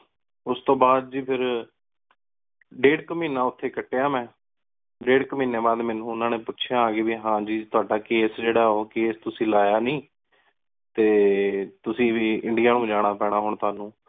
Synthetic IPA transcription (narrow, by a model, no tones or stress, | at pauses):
ʊst̪õːbaːd̪̚d͡ʒiːpʰɪɾ | ɖeːɽkəmiːnãːʊt̪ʰːeːkəʈːeːaːmɛ̃ː | ɖeːɽkəmiːneːbaːd̪mɛːnũːʊnãːneːpʊtːʃʰjãːaːɡeːbiːɦãːd͡ʒiːt̪ʊaːɖaːkeːsd͡ʒeːɽaːoːkeːst̪ʊsĩːlaːjaːnĩː | t̪eːt̪ʊsĩːʋiːɪɳɖijaːnũːd͡ʒaːɽ̃aːpɛːɽ̃aːɦʊɳt̪ʊaːnũː